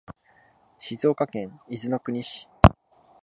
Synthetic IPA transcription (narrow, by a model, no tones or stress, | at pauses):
ɕizo̞ːkakẽ̞ŋ̃izɨno̞kɯ̟ɲ̟iɕi̥